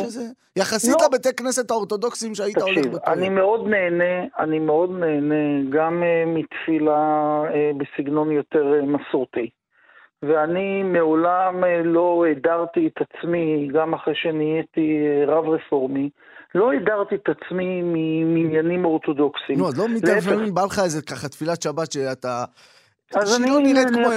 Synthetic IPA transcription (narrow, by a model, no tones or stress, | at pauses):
ʃze | jaχaslit̪abet̪ekne̞se̞t̪haoʁt̪o̞do̞ksimʃeait̪ataoliveanimeod̪ne̞ːne̞animeo̞d̪ne̞ːneɡamemit̪filaebesiɡno̞njo̞t̪eʁemasuʁt̪i | veanimeolamlo̞edaʁt̪iet̪at͡smiɡamaχʁejʃenijet̪ieʁavʁefo̞ʁmi | lo̞ed̪aʁt̪iet̪at͡smimiminjanimo̞ʁt̪o̞d̪oksinuazlomiaʃmimbalχaezekaχat̪filat̪ʃabat̪ʃeat̪a | azaniloniʁemo